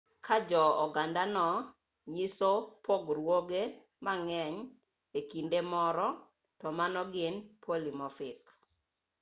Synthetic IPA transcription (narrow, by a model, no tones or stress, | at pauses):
kʰad͡ʒɔɔɡandanɔ | ɲisopoɡɾwoɡe | maŋɛɲ | ekindemɔɾɔ | tɔmanɔɡɪnpʰolimɔfɪk